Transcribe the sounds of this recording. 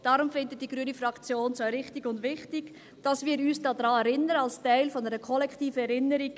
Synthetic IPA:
d̥ɑɾʊmfɪndət̚d̥iɡ̥ɾyːənifɾɑkt͡sjoːnsoɾɪχtɪɡʊndʋɪχtɪɡ̥ | d̥ɑsviːɾyːsd̥ɑːd̥ɾɑːɛɾɪnəɾəɑlstæɪlfɔnɛɾəkʰɔlɛktiːfəɛɾɪnːəɾiɡ

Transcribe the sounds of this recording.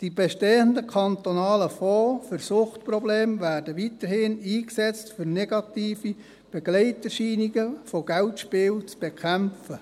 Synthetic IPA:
d̥ib̥eʃteːəndəkʰɑnt̪onɑːləfɔːfɵɾsʊχtprɔbleːmvæːrdəʋitəɾhɪniːksɛt͡stfʏɾnɛɡ̥ɑtiːfi | b̥eɡlɛɪtərʃiːniɡəfoɡ̥æltʃpɪːlt͡sb̥ekʰæmfə

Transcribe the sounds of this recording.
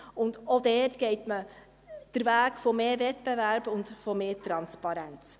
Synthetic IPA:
ʊndodɛːrtɡ̥ɛɪtmə | d̥əɾvæːɡfɔmeːɾvɛtb̥evæɾb̥ʊndfɔmeːɾtɾɑnspɑɾɛnt͡s

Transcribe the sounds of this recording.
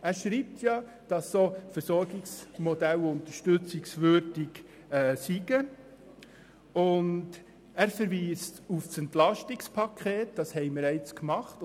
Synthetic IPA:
æːɾʃɾiːp̚tʰjɑ | d̥ɑsːoːfəɾsɔɾɡɪksmɔdælʊnt̪əʃtɵt͡sɪksvøɾdiɡ | ɛːsiɡ̥ə | ʊnd | æɾfəɾʋiːstufsɛntlɑʃtikspʰɑkʰχeːtd̥ɑshɛɪməɾɛɪt͡skmɑχt

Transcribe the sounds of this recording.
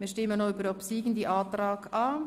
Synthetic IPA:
miːʃtɪmənoybəɾopsiːɡən̩d̪iːʔɑːt̪ɾɑːkɑː

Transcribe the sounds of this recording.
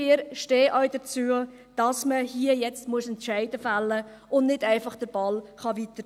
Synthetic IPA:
ɪɾʃteːʔœɥdət͡suːə | d̥ɑsməhiəjɛt͡stmuəsɛntʃæɪdəfalːə | ʊndnɪdæɪfɑχd̥əɾb̥ɑlχɑʋitə

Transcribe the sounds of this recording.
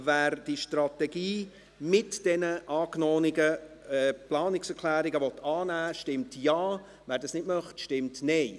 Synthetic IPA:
væːɾd̥iʃtrɑtɛɡiː | mɪtd̥ɛnəʔɑːknɔːnɪɡəɛːplɑːnɪksɛkʰlæːɾiɡəvɔt̪ʰːɑːnæːʃtɪmtjɑː | ʋæːɾdɑsnɪtmœχtʃtɪmtnɛɪ

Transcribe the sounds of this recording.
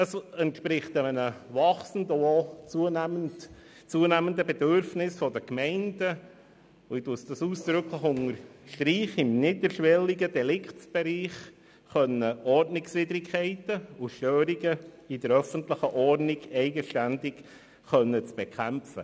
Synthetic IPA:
ɑsɛntʃpɾɪχt̪ɛmənəʋɑχsən̩dʊot͡suənmən | t͡suənæmənd̪əbɛd̪øɾfnɪsfɔd̪əkmɛɪndə | ʊɪd̥usd̥̪ɑsuːsd̥ɾʉkʰləχʊŋəɾʃtɾiːχɪmnɪdəɾʃʋɛlːiɡədɛlɪktb̥ɛɾiːχ | χœnːəɔrtnɪksʋid̪ɾɪkʰχɛɪtəʊʃtøːɾiɡə | id̪əɾœfənt̪ləχəʔɔrnɪɡɛɪɡəʃtændɪk | χœnːət͡sb̥ekʰχæmfə

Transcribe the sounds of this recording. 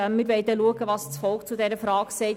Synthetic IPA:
mɪɾʋɛɪd̪ɛluəɡəʋɑst͡sfɔlkt͡sud̪ɛɾəfɾɑːɡsɛɪ

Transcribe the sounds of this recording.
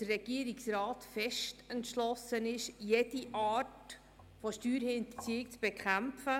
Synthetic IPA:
ərɛɡ̥iəɾiksɾɑːtfɛʃtɛntʃlɔsənɪʃjed̥iʔɑːt | fɔʃtyːɾhɪndt͡sikt͡sb̥ɛkʰχæmfə

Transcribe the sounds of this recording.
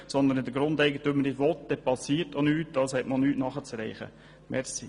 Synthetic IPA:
sɔnd̪ənɪd̪əɡɾʊnd̪ɛɪɡət̪ømənɪdʋɔt̪̚d̥ɛpɑsiːɾtonyːtdɑshɛtmolnyːtnɑχət͡sɾɛɪχə̰ | mɛɾsi

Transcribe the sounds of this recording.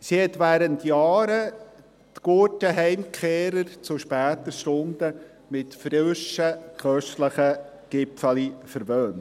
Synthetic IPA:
sihɛtʋæːɾəntjɑːɾə | tɡ̥utəɦɛɪmkʰeːɾəɾt͡sʊʃpæːtəʃtʊnd̥ə | mɪtfɾɪʃəkʰœʃtləχə | ɡ̥ɪpfɑlifəɾʋøːnt

